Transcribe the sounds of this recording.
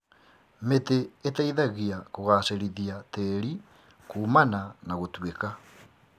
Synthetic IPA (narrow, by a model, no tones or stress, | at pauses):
meteːtaiðaɣiakoɣaːseɾiðiateɾi | kuːmananaɣotweka